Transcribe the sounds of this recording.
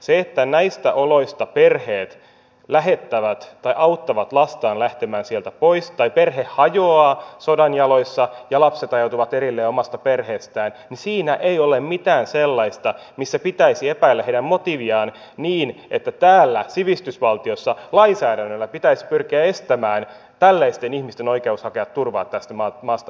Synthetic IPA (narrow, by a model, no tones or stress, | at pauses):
seet̪ːænæist̪æ̰ʔoloist̪ɑperheːt̪ | læɦet̪ːæʋæt̪t̪ɑiʔɑwt̪ːɑʋɑt̪lɑst̪ɑːnlæht̪emæːnsielt̪æpoist̪ɑiperhehhɑjoɑːsodɑnjɑloisːɑjɑlɑpset̪ɑjowt̪uʋɑt̪eɾilːeːomɑst̪ɑperheːst̪æːnnisiːnæʔeiolemmit̪æːnselːɑist̪ɑ | misːæpit̪æisiepæilːæheidæmmot̪iʋiɑːn | niːnʔet̪ːæt̪æːlːæsiʋist̪ysʋɑlt̪iosːɑlɑinsæːɾænːølːæpit̪æisi̥pyrkiæe̞st̪æmæːn | t̪ælːæist̪enihmist̪enoikeushɑkeʋɑt̪turʋɑ̰ːt̪t̪ːæst̪æmɑːmɑːst̪ɑ